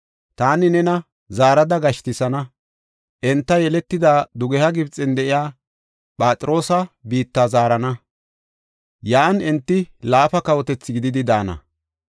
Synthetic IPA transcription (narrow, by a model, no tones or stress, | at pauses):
t̪aːnɪnɛnɐ | zaːɾɐd̪ɐɡɐʃt̪ɪsɐnɐ | ʔɛnt̪ːɐjɛlɛt̪ːɪd̪aːd̪ʊɡɛhɐɡɪbt͡sʼːɪnd̪ɛʔɪjaː | pʼaːt͡sʼɪɾo̞ːsɐbiːt̪ːaːzaːɾɐnɐ | jaːnɛnt̪ːɪlaːfɐkɐwɔt̪ɛt͡sːɪɡɪd̪ɪd̪ɪd̪aːnɐ̰